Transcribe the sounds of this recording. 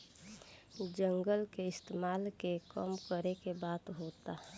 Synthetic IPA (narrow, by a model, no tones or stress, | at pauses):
d͡ʒəŋɡəlkeɪst̪eːmaːlkekəmkəɾekebaːt̪ɦoːt̪a